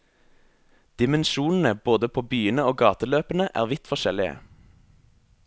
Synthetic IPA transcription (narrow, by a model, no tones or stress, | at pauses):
d̪̥ɪmənʃuːnn̩əboːd̪əpʰoːbyːənəoːɡɑːt̪əløːpənəʔæ̰ːʁʋɪt̪fɔʃɛlɪə̰